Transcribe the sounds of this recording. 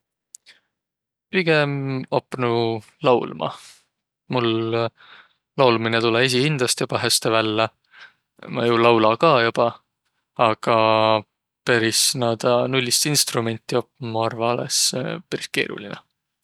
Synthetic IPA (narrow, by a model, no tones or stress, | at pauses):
piɡ̥e̞mopːˑnu | lɑwlmɑ̰ | mul | lɑwlminet̪ulees̬iind̪̥ɑst̪job̥ɑɦæst̪evælːɑ | mɑ̰julɑwlɑkɑːjub̥ɑ | ɑɡ̥ɑ | pæɾisnɑːd̪ɑnulʲːist̪inst̪rume̞nʲt̪ːˑio̞pːmɑɑrvɑɑlḛsepæɾiske̞̰ːɾṵlinɛ̰